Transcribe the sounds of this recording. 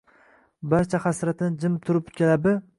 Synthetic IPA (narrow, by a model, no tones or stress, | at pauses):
baɾt͡ʃʰaχasɾat̪ʰɪnɪd͡ʒɪmɪp̚t̪ʰʊɾɪpt̪̚kʲalab̪ɪ